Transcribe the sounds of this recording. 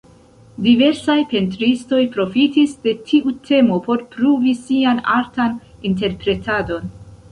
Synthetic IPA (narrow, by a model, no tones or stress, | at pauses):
dive̞ɾsajpe̞ntɾisto̞jpɾo̞fitisde̞tʰiʔutʰe̞mo̞po̞ɾpɾuvisiana̰ɾtaninte̞ɾpɾe̞tʰado̞n